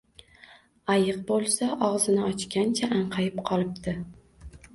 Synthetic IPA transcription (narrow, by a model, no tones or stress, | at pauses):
ajɨq̚bolˠsaʔɒʁzɪnɪɒt͡ʃkʲant͡ʃʰaʔaɴqʰɑjɪpqʰɒlˠɪp̚t̪ɪ